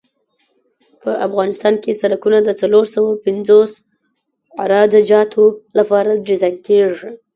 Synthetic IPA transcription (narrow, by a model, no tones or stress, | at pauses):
pəʔafɣɑnɪst̪ɑnkesaɾakunad̪ət͡saloɾsawapɪnd͡zos | aɾɑd̪ad͡ʒɑt̪ʰolapɑɾadɾizajnkeʐi